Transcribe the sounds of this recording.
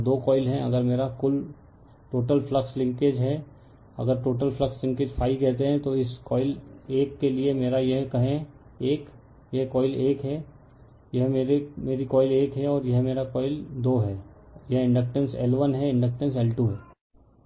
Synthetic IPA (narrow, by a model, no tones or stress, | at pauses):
d̪oːkɔːɪlɦɛ̃ɐ̰ɡəɾmeːɾakʊl | ʈoːʈəlflɐkslɪ̃ŋkeːd͡ʒɦɛ | ɐ̰ɡəɾʈoːʈəlfləkslɪ̃ŋkeːd͡ʒfʰaːɪkɛɦt̪eɦɛ̃t̪oɪskɔːɪleːkːeliemeːɾajeɦkɐɦẽ | eːk | jɛɦkɔːɪleːkɦɛː | jɐɦmeːɾemeːɾikɔːɪleːkɦɛɔːɾjɐɦmeːɾakɔːɪld̪oːɦɛːjɐɦɪ̃ɳɖək̚ʈə̃nsɛːlʋənɦɛɪ̃ɳɖək̚ʈə̃ns̬ɛːlʈuːɦɛː